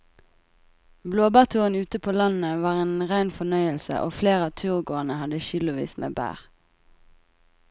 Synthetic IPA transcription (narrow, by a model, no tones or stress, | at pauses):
bloːbæːʁt̪ʰuːʁənʉːt̪əpʰoːlɑn̩əʋɑːʁeːnʁæɪnfɔnœʏəlsə̰ʔoːfleːʁɑːt̪ʰʉːʁɡoːənəhɑd̪əʃʏlʊʋḭːsmʔḛːbæ̰ːʁ